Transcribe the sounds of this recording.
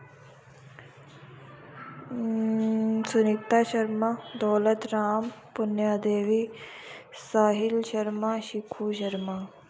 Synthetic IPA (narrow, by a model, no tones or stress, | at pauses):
sunikt̪aɕɐɾmad̪olət̪ɾaːmpunjad̪eːʋi | saːɦilɕɐɾmaɕikʰuːɕɐɾma